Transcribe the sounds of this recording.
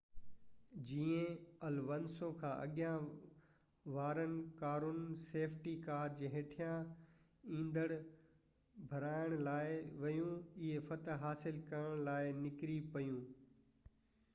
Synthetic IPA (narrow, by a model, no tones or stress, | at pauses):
d͡ʑiːẽɐlʋɐnsõːkʰãːʔɐ̰ɠjã | ʋaːɾənɪ̆kaːɾʊnseːfʰʈikaːɾd͡ʑeːɦeːʈʰijã | ĩːnd̪əɽ | bʱɐɾaːɪɽ̃laːɪʋɐjũɪɦefɐt̪ɦaːsɪlkɐɾəɽ̃laːɪnɪkɾipɐjũː